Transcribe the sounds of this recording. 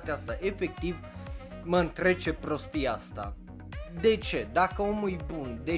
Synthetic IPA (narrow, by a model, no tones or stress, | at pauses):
t̪east̪aʔe̞fe̞k̚t̪iv | məɨnt̪ɾe̞t͡ʃe̞pɾo̞st̪iast̪a̰ | d̪e̞t͡ʃe̞d̪akəo̞mujbund̪e̞